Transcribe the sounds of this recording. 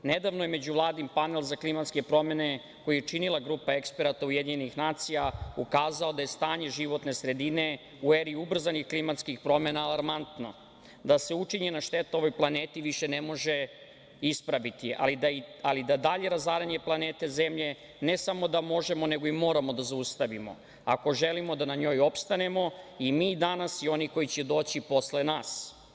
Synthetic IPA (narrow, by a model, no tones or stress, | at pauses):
ned̪aʋnojeme̞d͡ʑuʋlˠaːd̪nimpane̞lˠzaklˠimat̪ske̞pɾo̞me̞ne̞ | ko̞jijet͡ʃinilˠaɡɾuːpae̞kspeɾat̪aujed̪iɲenixnaːt̪sijaukaːzao̞d̪aje̞st̪aːɲe̞ʒiʋo̞t̪ne̞sɾe̞d̪ine̞ | ueɾiiubr̩zanixklimat̪skixpɾo̞menaːlˠaɾmant̪no̞̰ | d̪ase̞ut͡ʂiɲenaʃt̪et̪ao̞ʋojplˠaneːt̪iʋiʃenemo̞ʒe | ispɾaʋit̪ia̰lid̪aialid̪ad̪aʎe̞ɾazaːɾaɲe̞plˠaneːt̪e̞ze̞mʎe̞ | ne̞samo̞d̪amo̞ʒe̞mo̞ne̞ɡoimo̞ːɾamo̞d̪azaust̪aʋimo̞̰ | ako̞ʒelimo̞d̪anaɲo̞ːjo̞pst̪anemo̞imiːd̪anasio̞niko̞jit͡ɕed̪o̞ːt͡ɕipo̞sle̞naːs